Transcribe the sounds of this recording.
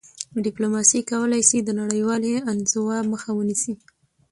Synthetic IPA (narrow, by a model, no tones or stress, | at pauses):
ɖɪplomɑsikawəlajsid̪ənaɽəjwɑleanzowaməxawənisi